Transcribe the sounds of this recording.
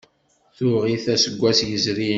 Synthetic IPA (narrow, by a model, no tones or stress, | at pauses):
θʊʁiθæsəɡʷːæsjəzɾi